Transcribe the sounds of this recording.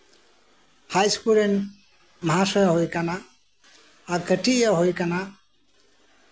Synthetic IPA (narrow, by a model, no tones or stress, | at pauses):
hajskulen | məɦasɔjaɦojkana | aɾkʰəʈijaɦojkana